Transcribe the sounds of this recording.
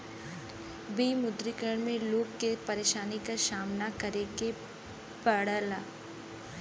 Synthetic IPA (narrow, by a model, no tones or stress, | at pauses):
biːmʊd̪ɾikəɾəɳmẽloːɡkepɐɾeːʃaːnikaʃaːmnakɐɾeɡe | pəɽəlaː